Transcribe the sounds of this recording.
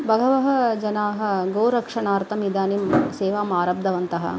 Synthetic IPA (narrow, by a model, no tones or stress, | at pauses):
bʱɐɡɐʋɐɦɐ̆d͡ʒɐnaːɦɐ̆ɡɐːɾɐkʂɐɳaːɾt̪ɐmid̪aːnimseːʋaːmaːɾɐb̚d̪ɐʋɐnt̪ɐɦɐ̰